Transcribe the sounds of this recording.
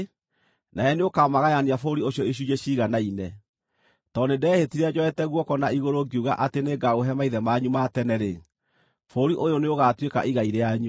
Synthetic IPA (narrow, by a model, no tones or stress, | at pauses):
naɛneokamaɣajaniafoɾioɕjɔeɕ̬ujeɕiɣanainɛ | tɔnedɛːhetiɾɛd͡ʑɔɛtɛɣwɔkɔnaiɣoɾoɡiuɣa̰ʔateneɡaoɦɛmaiðɛmaɲumatɛnɛɾe | foɾiʔojoneoɣaːtweka̰ʔiɣaiɾeaɲu